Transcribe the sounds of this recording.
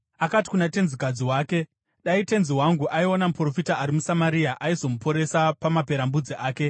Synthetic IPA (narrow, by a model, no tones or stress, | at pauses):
akati̥kunate̞nzikad͡ziwaːke̞ | ɗaite̞nziwaŋɡuʔaionamupro̞fitaːɾimusamaɾiaʔaizo̞mupo̞ɾe̞sapamape̞ɾambud͡ziʔaːke̞